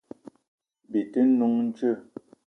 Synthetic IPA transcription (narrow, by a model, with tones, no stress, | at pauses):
bi˨tə˦nu˨˦ŋn̩˦t͡ʃə˦˨